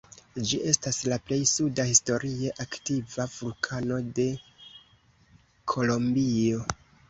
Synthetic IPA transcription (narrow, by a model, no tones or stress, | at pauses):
d͡ʒiʔe̞staslaple̞jsudahisto̞ɾie̞ʔaktivavulkʰano̞de̞ | kʰo̞lo̞mbio̞